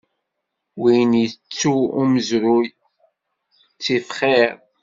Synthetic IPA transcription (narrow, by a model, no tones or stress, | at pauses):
wijnjət͡sːuuməzɾʊj | t͡sːifχiɾ